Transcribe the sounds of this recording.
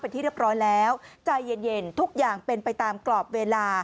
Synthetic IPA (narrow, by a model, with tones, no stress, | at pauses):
pe˧nt̪ʰiː˥˩ɾi˥˩p̚ɾɔː˦˥jlɛː˦˥wt͡ɕa˧jːe˧nje˧nt̪ʰu˦˥k̚jaː˨˩ŋpe˧npa˧jt̪aː˧mklɔː˨˩p̚weː˧laː˧